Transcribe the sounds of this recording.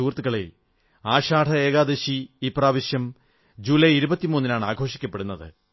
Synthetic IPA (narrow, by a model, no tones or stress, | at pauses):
uːrt̪ːuɣɐɭḛ | aːɕaːʈʰɐeːɣaːd̪eɕiipraːʋiɕjɐm | d͡ʑuːlɐjiɾubɐt̪ːimuːnːinaːɳaːɡʱo̞ːʂi̥kʲːɐpːe̞ɽunːɐðɨ̰